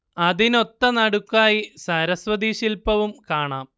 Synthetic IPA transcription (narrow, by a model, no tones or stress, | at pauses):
ɐðino̞t̪ːɐnɐɽukːaːjisɐɾɐsʋɐd̪iːɕilpɐʋumkaːɳaːm